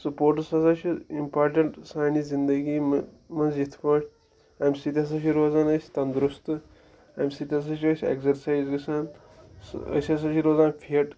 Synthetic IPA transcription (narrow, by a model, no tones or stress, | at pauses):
sɐpoːɾʈɐsasat͡ʃʰiimpaːɾʈɐɳʈsaːnizind̪əɡiːm | mɐnzjit̪ʰpɐʈʲ | amʲsit̪ʲɐs̬aːt͡ʃʰiɾoːzaːnɐsʲt̪ɐnd̪ɾust̪ɨ | a̰ːmʲbʲsit̪ʲɐs̬at͡ʃʰiɐsʲḛɡzɐɾsaːizɡɐsaːn | sɐ̰sɐsaːt͡ʃʰiɾoːzaːnpʰiɐʈ